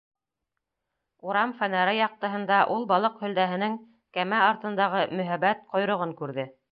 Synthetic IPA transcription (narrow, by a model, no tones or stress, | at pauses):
uɾɑmfænæɾɑjɑq̚t̪ɤ̆ɦɤ̆nd̪ɑʔulˠbɑlˠɤqhɵ̆ld̪æɦɘ̆nɘŋ | kæmæɑɾt̪ɤ̆nd̪ɑʁɤmɵ̆ɦæβæt̪̚qŏjɾŏʁɤŋkʉɾðɘ